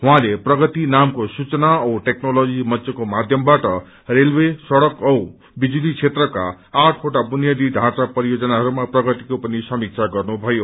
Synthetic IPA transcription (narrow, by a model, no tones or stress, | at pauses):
ɦwãleprʌɡʌt̪inamkosut͡sʌnaʈeknolod͡zimʌsekomad̪ʱjʌmbaʈʌ | relwesʌɽʌkʌw | bid͡zulit͡sʰet̪rʌkaː | ʈʰoʈabunjad̪iɖʱãt͡sapʌɾijod͡zʌnaɦʌɾumaprʌɡʌt̪ikopʌnisʌmik̚t͡sʰaɡʌrnubʱʌjo